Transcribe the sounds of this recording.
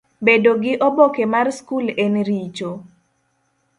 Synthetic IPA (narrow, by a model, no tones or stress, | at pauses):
bedoɡɪʔobokemarskulenɾit͡ʃo